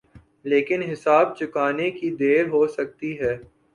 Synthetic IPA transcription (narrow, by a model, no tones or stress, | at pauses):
leːkɪnɦɪsaːb̚t͡ʃʊkaːnekid̪eːɾɦosɐk̚t̪iɦɛː